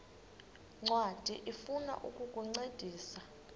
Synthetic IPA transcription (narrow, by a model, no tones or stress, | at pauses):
ŋ͡ǀwad̥ʱiʔifuna̰ʔukʼukʼuŋ͡ǀed̥ʱiːsa